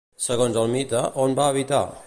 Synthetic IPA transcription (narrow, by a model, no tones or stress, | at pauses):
səɣonzəlˠmit̪əʔonbaːβit̪a̰